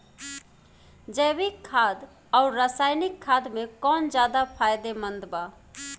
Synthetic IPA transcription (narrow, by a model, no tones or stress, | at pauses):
d͡ʒəbikʰːad̪ | aʊɾːəsajnikʰːad̪mẽkɔnd͡ʒjad̪apʰajd̪emə̃nd̪ba